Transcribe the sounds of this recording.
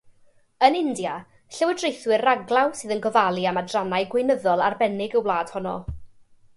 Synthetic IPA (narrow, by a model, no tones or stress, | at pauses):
ənɪndja | ɬəwədrejθwɪraɡlˠawsɨːðənɡɔvalˠiamadranajɡwɪjnəðɔlˠarbɛnɪɡəwlˠaːd̥hɔnɔ̰